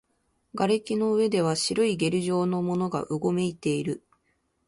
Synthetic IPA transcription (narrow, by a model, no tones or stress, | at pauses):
ɡaɾekʲino̞ɯ̟βe̞d̪e̞β̞aɕiɾoiɡe̞ɾɯ̟ʑo̞ːno̞mo̞no̞ɡa̰ʔɯɡo̞me̞it̪e̞iɾɯ̟